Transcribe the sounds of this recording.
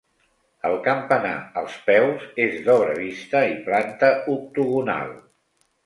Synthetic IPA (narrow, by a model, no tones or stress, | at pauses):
əlˠkəmpəna̰əlˠspɛwzezðɔβɾəβist̪əiplant̪əuk̚t̪uɣuna̰lˠ